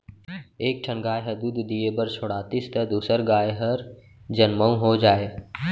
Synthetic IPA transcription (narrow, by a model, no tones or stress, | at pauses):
eːk̚ʈʰənɡaːjɦəɾd̪ud̪ʱd̪ijebəɾt͡ʃʰoɽaːt̪ist̪əd̪uːsəɾɡaːjɦəɾ | d͡ʒənməũɦod͡ʒaːeː